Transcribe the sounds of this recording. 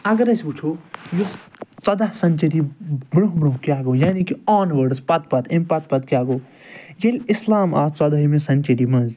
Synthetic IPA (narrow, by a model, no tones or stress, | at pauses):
ɐɡɐɾɐsʲput͡ʃʰojot͡sɐd̪aɦsɐnʲt͡ʃɐɾibɾoɦbɾõɦkʲjaːɡoːjaːnikiɔːnʋəɖspɐt̪̚pɐt̪ẽmpɐt̪̚pɐt̪̚kʲjaːɡoː | jelʲɪslaːma̰ːt͡sɐd̪ɐɦimẽsɐnʲt͡ʃɐɾimɐ̃nz